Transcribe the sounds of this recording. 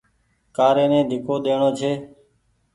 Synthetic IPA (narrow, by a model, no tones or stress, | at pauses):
kaːɾeːnẽːd̪ʱɪkoːɗ̪eːɳoːt͡ʃʰeː